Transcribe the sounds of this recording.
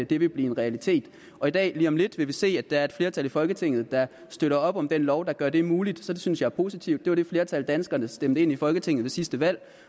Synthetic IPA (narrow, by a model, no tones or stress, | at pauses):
d̥e̝ʋe̝b̥liːe̝nʁɛælit͡sʰe̝̰ːd̥ | ɒ̽id̥ɛ̰ːliːɒ̽mle̝d̥ʋe̝ʋise̝̰ːæ̥ɑ̈æɐe̝d̥fle̝ɐt͡sʰælifɒ̽lɡ̥ət͡sʰe̝ŋ̰ð̩ˠd̥ɑ̈ | sd̥øɾɐɒ̽b̥ɒ̽md̥enlɒʊd̥ɑ̈ɡ̥ɶɐd̥e̝muːlid̥sɒ̥̽synsjɑ̈ɪæɐpʰo̝ːsit͡sʰiʊd̥e̝ʋɑɐɾ̥e̝fle̝ɐt͡sʰæld̥ænsɡ̥ɐnəsd̥emd̥̩e̝n̰ifɒ̽lɡ̥ət͡sʰe̝ŋð̩ˠʋe̝sisd̥əʋæl̰